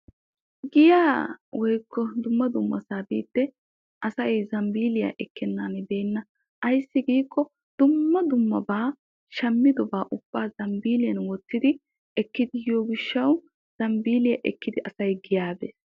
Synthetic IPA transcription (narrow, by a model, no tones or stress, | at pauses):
ɡɪjaːwɔjkːɔd̪ʊmːɐd̪ʊmːɐsaːbiːt̪ːɛ | ʔɐsɐjzɐmbiːlɪja̰ʔɛkːɛnːaːnbeːnːɐ | ʔɐjsːɪɡiːkːɔ | d̪̥ʊmːɐd̪ʊmːɐ̰baː | ʃɐmːɪd̪ɔbaːʔʊb̥ːaːzɐmbiːlɪjɐnwɔt̪ːɪd̪ɪ | ɛkːɪd̪ɪjoːɡɪʃːɐw | z̥ɐmbiːlɪjɐʔɛkːɪd̪ɪʔɐsɐjɡɪjaːbḛːs